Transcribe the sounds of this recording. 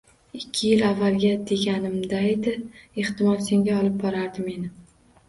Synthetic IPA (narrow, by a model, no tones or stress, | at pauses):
ɪkʲʰːɪjɪlavːalɡʲad̪e̞ɡʲanɪmd̪aed̪ɪeht̪ɪmɒlˠse̞ŋɡʲaɒlˠɪp̚bɒɾaɾd̪ɪme̞nɪ